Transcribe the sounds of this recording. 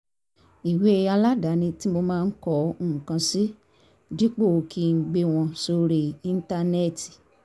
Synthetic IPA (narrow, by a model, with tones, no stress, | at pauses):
i˨we˨˦e˧a˧la˦da˨˦nĩ˧ti˦mo˧mãː˦˧˦kɔ˨˦˨ũ˨kã˧si˦ | di˦k͡po˦˨˧kʰi˦˧˦ɡ͡be˧w̃ɔ̃˧so˧ɾi˦˧ĩ˧n̩˦ta˧nɛ˦˨ti˨